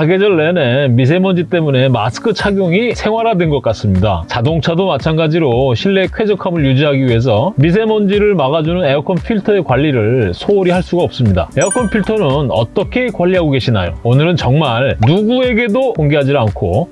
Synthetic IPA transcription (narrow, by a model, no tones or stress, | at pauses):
aɡed͡ʑʌɭːenenmis̬ʰe̞mʌnd͡ʑit͈e̞mune̞ma̰sɯ̥kʰɯt͡ɕʰaɡjoŋisʰe̞ŋɦwaɾɦadwe̞nɡʌk͈as͈ɯmɲida̰t͡ɕadoŋt͡ɕʰadomat͡ɕʰanɡad͡ʑiɾoɕʰiɭːe̞kʰwe̞d͡ʑʌkʰamɯɭjud͡ʑiɦaɡiɥiɦe̞s̬ʰʌmis̬ʰe̞mʌnd͡ʑiɾɯɭmaɣad͡ʑunɯne̞ʌkʰʌnpʰiɭtʰʌe̞kwaʎːiɾɯɭsʰoːɾiɦaɭs͈uɡaʌp̚s͈ɯmɲida̰e̞ʌkʰʌnpʰiɭtʰʌnɯnʌ̰t͈ʌkʰe̞kwaʎːiɦaɡoɡe̞ɕʰinajo̰onɯɾɯnt͡ɕʌŋmaɭnuɡue̞ɡe̞dokoŋɡeɦad͡ʑiankʰo